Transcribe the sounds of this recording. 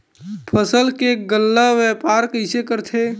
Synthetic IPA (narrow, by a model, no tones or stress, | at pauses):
pʰəsəlkeɡəlːaʋɛpaɾkəɪsekəɾt̪ʰe